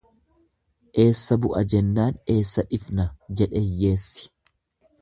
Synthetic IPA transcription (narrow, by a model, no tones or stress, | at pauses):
ʔe̞ːsːɐbʊʔɐd͡ʒɛnːaːne̞ːsːɐᶑɪfnɐd͡ʒɛᶑeːjːe̞ːsːɪ̥